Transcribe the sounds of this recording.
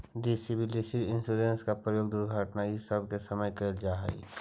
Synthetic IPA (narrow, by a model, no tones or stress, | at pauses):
d̪esɪbɪlisɪɾɪ̃nsuːɾẽnskapɾəjoːɡd̪ʊɾɡʱəʈnajisəbʱkesəməjkəld͡ʒaːɦɛ̰ḭ